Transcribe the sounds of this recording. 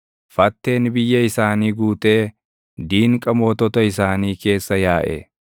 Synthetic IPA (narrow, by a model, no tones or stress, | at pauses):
fɐt̪ːe̞ːnbɪjːɐɪsaːniːɡuːt̪ʼe̞ː | d̪iːŋkʼɐmoːt̪ɔt̪ɐɪsaːniːke̞ːsːɐjaːʔɛ̰